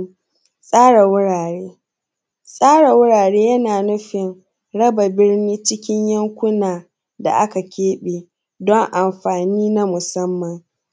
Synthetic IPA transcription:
sʼaː˦ɽa˨wʊ˦ɽaː˨ɽeː˦ | sʼaː˦ɽa˨wʊ˦ɽaː˨ɽeː˦jɐ˦naː˨nʊ˦ɸɪ˨ŋ | ɽɐ˦ba˨bɪ˦rniː˦t͡ʃɪ˦kʲɪ˦ɲjɐ˦ŋkʷʊ˦naː˨ | da̰˨ʔa˦ka˨kʲeː˦ɓeː˨ | dɔ˦ŋʔa˨mɸaː˨niː˦na˦mʊ˨sɐ˦mːɐ˨ŋ

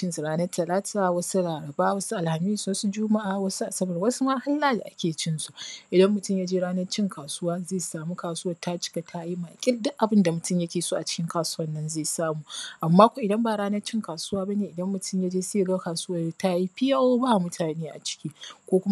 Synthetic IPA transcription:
t͡ʃɪ˦nsu˨ɾaː˦nɐ˦rtʰɐ˨laː˦tʰaː˨wɐ˦su˦laː˨ɾɐ˨baː˦wɐ˦su˦ʔa˨lha˨miː˦swɐ˦su˦d͡ʒʊ˦ma˦ʔaː˨wɐ˦su˦ʔa˨sɐ˦bɐ˨rwɐ˦su˦ma˦ha˦lːaː˦da̰˨ʔa˦kʲeː˨t͡ʃɪ˦nsu˨ʔɪ˨dɐ˦mːʊ˨tʊ˦mjaː˦d͡ʒeː˦ɽaː˦nɐ˦rt͡ʃɪ˦ŋkʰaː˨sʊ˦waː˦zeː˦˨saː˨mu˦kaː˨sʊ˦wɐ˦˨rta˦t͡ʃɪ̥˦ka˨tʰa˦ji˦ma˨kʲʼɪ˦ldʊ˦ʔʔa˨bɪ˦nda˨mʊ˨tʊ˦mjɐ˦kʲeː˨soː˦ʔa˨t͡ʃɪ̥˦kʲɪ˦ŋkaː˨sʊ̥˦wɐ˦nːɐ˦nzeː˦˨saː˦muː˨ʔa˨mːaː˦kʷo˨ʔɪ˨dɐ˦mba˨ɽaː˦nɐ˦rt͡ʃɪ˦ŋkaː˨su˦waː˦ba˦neː˨ʔɪ˨dɐ˦mːʊ˨tʰʊ˦˨mjaː˦d͡ʒeː˦se˦˨ɡa˦kaː˨suː˦wɐ˨rta˦ji˦ɸɪ˦ja˦oː˦ba˦ʔmʊ˦tʰaː˨neː˦ʔa̰˨t͡ʃɪ̥˦kʲiː˦kʷoː˦kʷʊ˦m˦

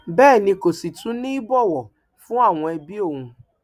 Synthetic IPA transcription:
bɛː˦˨nɪ̃˧ko˨si˨tũ˦nĩ˦bɔ˦˨wɔ˨ | fʊ̃˦a˦˨w̃ɔ̃˧e˧bi˦o˦˨ŋũ˨

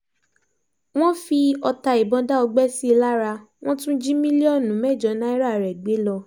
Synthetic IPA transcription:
w̃ɔ̃˦fi˧ɔ˧ta˧i˨bɔ̃˧da˦ɔ˧ɡ͡bɛ˦si˦˧la˦ɾa˧ | w̃ɔ̃˦tũ˦d͡ʒĩ˦mĩ˦li˦ɔ˦˨nũ˨˦mɛ˦˨d͡ʒɔ˨˦nã˦i˦ɾa˦˨ɾɛ˨ɡ͡be˨˦lɔ˧

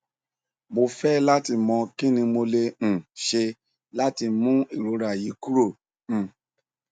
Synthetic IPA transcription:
mo˧fɛ˦la˦ti˧mɔ̃˧ki˦nĩ˧mo˧le˧ñ̩˨ʃe˧ | la˦ti˧mũ˦i˦˨ɾo˨˦ɾa˨ji˨˦ku˦ɾõ˦˨

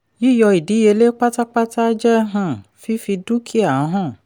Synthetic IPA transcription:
ji˦jɔ˧i˨di˨˦je˧le˦k͡pa˦ta˦k͡pa˦ta˦d͡ʒɛ˦ɦã˦˨fi˦fi˧du˦kʰi˦a˨ã˨˧˦ɦã˦˨

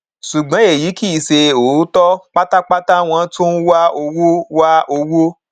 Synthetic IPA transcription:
ʃu˨ɡ͡bã˨˦e˦˨ji˨˦ki˦˨se˧o˨˦tɔ˦k͡pa˦ta˦k͡pa˦ta˦w̃ɔ̃˧˦to˦n̩˦wa˦o˧wo˦wa˦o˧wo˦

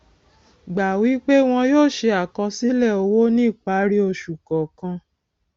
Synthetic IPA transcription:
ɡ͡ba˨wi˨˦k͡pe˦w̃ɔ̃˧joː˦˨ʃe˧a˨kɔ̃˧si˦lɛ˦˨o˧wo˦nĩ˦˨k͡pa˨˦ɾi˦o˧ʃu˨kɔ˨kã˧

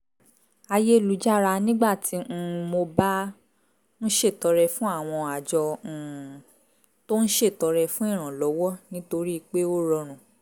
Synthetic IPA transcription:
a˧je˦˨lu˨˦d͡ʒa˦ɾa˧nĩ˦ɡ͡ba˦˨tʰĩ˨˦˧mo˧ba˦ | n̩˦ʃe˦˨tɔ˨˧ɾɛ˧fũ˦a˦˨w̃ɔ̃˧a˨d͡ʒɔ̃˧˨ | to˦n̩˦ʃe˦˨tɔ˧ɾɛ˧fũ˦ĩ˦˨ɾ̃ã˨lɔ˨˦wɔ˦nĩ˦to˧ɾi˦˧k͡pe˦o˦ɾɔ˧ɾ̃ũ˨

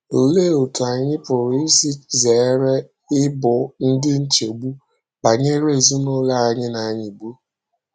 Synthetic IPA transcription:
o˨le˦o˨tu˨a˨ɲɪ˦pʊ˨ɾsi˦ze˨˦ɾe˦ | ɪ˦bʊ˨n̩˦dɪ˦n̩˦t͡ʃe˨ɡ͡bu˦ | ba˨ɲe˦ɾe˦˨zu˦no˦la˦a˦ɲɪ˦na˨˦ɲɪ˨ɡ͡bu˦

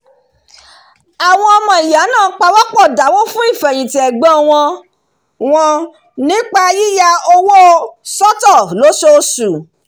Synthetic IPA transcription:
a˨w̃ɔ̃˧ɔ˧mɔ̃˨i˨ja˨˦nãː˦˨˦k͡pa˧wɔ˦k͡pɔ˦˨da˨˦wo˦fũ˦i˦˨fɛ˨j̃ĩ˨tɛ˨ɡ͡bɔ̃˨˦w̃ɔ̃˧ | w̃ɔ̃˧ | nĩ˦k͡pa˧ji˦ja˧o˧wo˦sɔ˦tɔ˦˨lo˨˦ʃo˧su˨

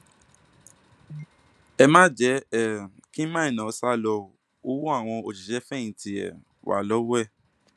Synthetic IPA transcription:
ɛ˧mã˦d͡ʒɛ˨˦ɛ˨ki˦mã˦ĩ˨nã˨ɔ˧˦sa˦lɔ˧˨ | o˦wu˦a˦˨w̃ɔ̃˧o˨ti˨ʃɛ˦fɛ˦˨ĩ˨˦ti˧˨ɛ̰˨ | wʔa̰˨lɔ˨˦wɛ˦˨

